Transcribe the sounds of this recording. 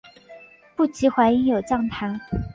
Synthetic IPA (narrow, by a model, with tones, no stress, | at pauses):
pu˥˩t͡ɕʰi˧˥xwa˧˥i˧˥ŋjo˨˩ʊt͡ɕɑ˥˩ŋt̪ʰa˧˥˦